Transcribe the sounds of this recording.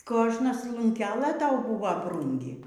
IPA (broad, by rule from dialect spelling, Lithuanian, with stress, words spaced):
ˈkoːʒnɐs lˠʊŋʲˈkʲæːlˠɘ ˈtɐʊ ˈbʊʋɐ ˈbruːŋʲɡʲɪ